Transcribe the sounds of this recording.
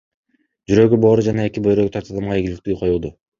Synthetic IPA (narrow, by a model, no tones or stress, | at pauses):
d͡ʒyɾø̞ɡybo̞ːɾud͡ʒɑnɑe̞kibø̞jɾø̞ɡyt̪ɑɾt̪ʰɑd̪ɑmʁɑeɡʲilik̚t̪yːqʰo̞julˠd̪u